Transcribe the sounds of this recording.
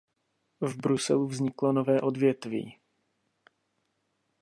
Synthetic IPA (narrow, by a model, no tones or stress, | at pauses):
vbɾusɛ̰luvzɲɪklo̞novɛːʔo̞dvjɛt̪vḭː